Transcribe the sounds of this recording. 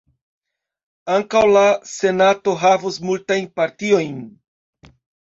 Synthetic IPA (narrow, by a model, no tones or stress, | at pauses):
aŋkawlase̞nato̞ɦavusmultajnpaɾtio̞jn